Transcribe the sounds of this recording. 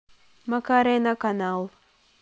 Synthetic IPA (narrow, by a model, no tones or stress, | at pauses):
makaɾɛnakanal